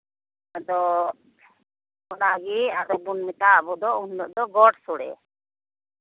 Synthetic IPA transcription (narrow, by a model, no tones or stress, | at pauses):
ad̪ɔ | ɔnaɡiad̪ɔbunmɛt̪aːbɔd̪ɔunːɔʔd̪ɔɡɔɽsuɽɛ̰